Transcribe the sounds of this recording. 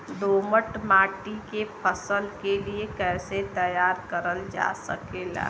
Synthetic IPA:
d̪oːməʈmaːʈikepʰəsəlkeliekɛːset̪əjaːɾkəɾəld͡ʒa̰səkeːla̰ː

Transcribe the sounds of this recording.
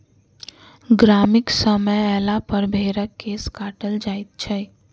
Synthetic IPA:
ɡɾamɪksəməɛːlapəɾbʱeɾəkːeːskaːʈəld͡ʒait̪̚t͡ʃʰɛ

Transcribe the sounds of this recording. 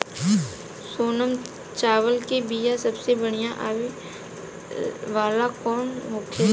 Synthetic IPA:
soːnəm | t͡ʃaːʋəlkebiːjasɐbsebəɽ̃ijãʔaʋi | ʋaːlakɔːnɦoːkʰe

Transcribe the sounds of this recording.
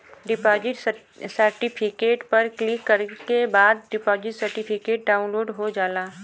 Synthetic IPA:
ɖɪpɔːd͡ʒɪʈ | səɾʈɪpʰɪkeːʈpɐɾklɪkːɐɾkebaːd̪̚ɖɪpɔːd͡ʒɪʈsɐɾʈipʰɪkeːʈ̚ɖaːʊ̃nloːɖɦod͡ʒaːlaː

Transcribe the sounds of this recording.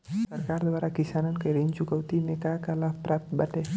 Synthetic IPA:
səɾkaɾd̪ʋaɾakisanənkəjɾənt͡ʃukəwt̪inekakalapɾap̚t̪baʈe

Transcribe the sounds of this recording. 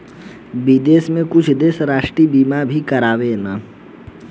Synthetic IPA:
bid̪eːsmẽkʊt͡ʃʰd̪eːsɾaːʃʈɾibiːmabʱikəɾaːʋenaː

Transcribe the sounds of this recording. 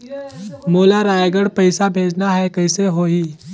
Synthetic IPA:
moːlaɾaːjɡəɽpəɪsabʱeːd͡ʒnaɦɛkɐɪseɦoiː

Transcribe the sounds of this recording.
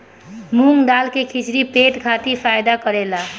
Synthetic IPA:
muŋɖalkekʰit͡ʃɾipeʈkʰat̪iɾpʰajd̪akəɾela

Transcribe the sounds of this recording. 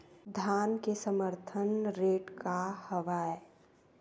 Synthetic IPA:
d̪ʱjaːnkesəməɾt̪ʰənɾeːʈkahəʋaːe

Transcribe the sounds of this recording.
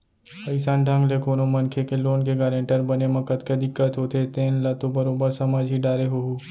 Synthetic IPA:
ɐɪsãːnɖʱɐ̃ŋɡlekoːnomɐnkʰekeloːnkeɡaːɾẽɳʈəɾbɐnemɐ̃kət̪ked̪ɪkːət̪ɦoːt̪ʰet̪ẽːnlɐt̪obɐɾoːbəɾsɐmad͡ʒɦiɖaːɾeɦoɦuː

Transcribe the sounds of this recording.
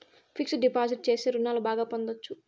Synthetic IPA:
pʰiksɖipaːd͡ʒiʈ̚t͡ʃe̞ːseːɾunːaːlubaːɡaːpond̪ot͡ʃːu

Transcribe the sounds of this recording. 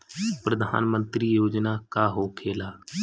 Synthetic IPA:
pɾəd̪ʱa̰ːnmənt̪ɾiːjoːd͡ʒnaːkaːɦoːkʰeːlaː

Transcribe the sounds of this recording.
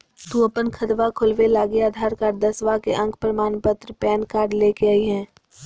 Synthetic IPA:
t̪uɐpənkʰɐt̪ʋakʰʊlʋelaːɡeaːd̪ʱaːɾkaːɾd̪ɐsʋakeʔɐ̃ŋkʰpɾəmaːnpət̪ɾəpɛːnkaːɾɖleːkeaːiɦɛ̃ː

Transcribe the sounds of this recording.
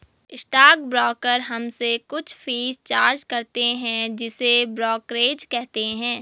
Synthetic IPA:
ɪsʈaːk̚bɾɔːkəɾɦɐmsekʊt͡ʃʰfʰiːzt͡ʃaːɾd͡ʒkɐɾt̪eɦɛ̃d͡ʒɪsebɾɔːkɾeːd͡ʒkɛɦt̪eɦɛ̃ː

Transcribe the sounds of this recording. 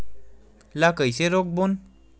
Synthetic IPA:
lakəjseɾok̚bon

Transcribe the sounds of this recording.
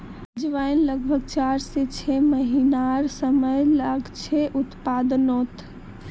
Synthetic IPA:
d͡ʒʋajnləɡbʱəɡ̚t͡ʃaɾset͡ʃʰeməɦinaɾsəməjlaɡt͡ʃʰeʔut̪pad̪not̪

